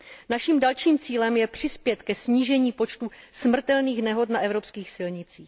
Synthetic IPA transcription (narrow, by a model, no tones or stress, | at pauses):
naʃiːmdalʃiːmt͡siːlɛmjɛpr̝̥ɪspjɛt̪kɛsɲiːʒɛɲiːpot͡ʃt̪u | smr̩t̪ɛlniːxnɛɦo̞t̪naʔɛvɾo̞pskiːxsɪlɲɪt͡siːx